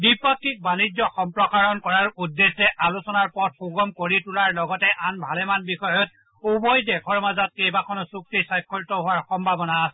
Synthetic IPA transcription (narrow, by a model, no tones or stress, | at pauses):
bipɔkʰːik̚banizɔxɔmpɹɔkaɹɔnkɔɹaɹudːesɛʔalusɔnaɹpɔt̚xoɡɔmkoɹitulaɹlɔɡɔtɛʔanbʱalɛmanbixɔjɔt̚ | ubɔjdɛkʰɔɹmazat̚kejbakʰɔnɔsuk̚tisajkʰːɔltɔɦʊaɹxɔmbʱabɔnaːsɛ